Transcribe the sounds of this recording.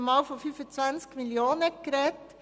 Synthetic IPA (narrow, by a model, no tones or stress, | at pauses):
mɑːlfɔfyfət͡sʋænskmiljoːnəkɾɛːt̪